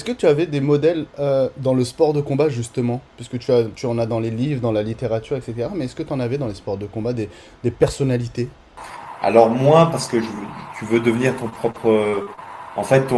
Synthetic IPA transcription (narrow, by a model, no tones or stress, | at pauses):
ɛskət̪yavɛd̪emɔd̪ɛlød̪ɑ̃ləspɔʁd̪əkɔ̃baʒyst̪əmɑ̃pɥiskət̪yat̪yɑ̃nad̪ɑ̃lelivʁəd̪ɑ̃lalit̪eʁat̪yʁɛkset̪eʁamɛɛskət̪yɑ̃navɛd̪ɑ̃lespɔʁd̪əkɔ̃bad̪e | d̪epɛʁsɔnalit̪e | a̰lɔʁmwapaʁsə̥kəʒəvt̪ʰyvød̪əvəniʁt̪ɔ̃pχɔpχə | ɑ̃fɛt̪ːɔ̃